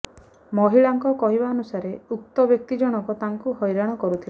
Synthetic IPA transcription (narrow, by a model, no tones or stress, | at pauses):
mɔɦiɭaŋkɔkɔɦibaːnusaɾeuk̚t̪ɔbjɔk̚t̪id͡ʒɔɽ̃ɔkɔt̪aŋkuɦɔjɾaɽ̃ɔkɔɾut̪ʰil